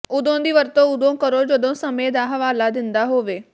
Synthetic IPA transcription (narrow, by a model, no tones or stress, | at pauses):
ʊd̪ʱõd̪iːʋɐɾt̪oʊd̪ʱõkɐɾod͡ʑod̪ʱõsɐmed̪aːɦʋaːlad̪ɪ̃nd̪aɦoːʋeː